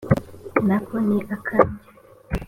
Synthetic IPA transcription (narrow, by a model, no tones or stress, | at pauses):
nakoniʔakʰamɲa